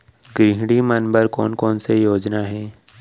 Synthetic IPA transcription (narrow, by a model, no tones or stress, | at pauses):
ɡɾiɦɽimənbəɾkɔːnkɔːnsejoːd͡ʒnaɦɛː